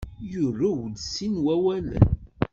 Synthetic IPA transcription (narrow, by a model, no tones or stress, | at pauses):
jʊɾuwd̪sinwæwæl̰